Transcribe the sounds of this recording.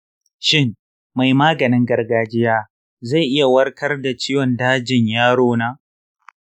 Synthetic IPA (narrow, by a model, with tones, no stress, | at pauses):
ʃɪ˦ŋ | ma˨jmaː˦ɡɐ˨nɪ˦ŋɡɐ˨rɡaː˨d͡ʒɪ˦jaː˦ | za˦˨jʔɪ˦ja˨wɐ˦rkʰɐ˦rda˨t͡ʃiː˦jɔ˨ndaː˦d͡ʒɪ˨ɲjaː˦ɽoː˦naː˦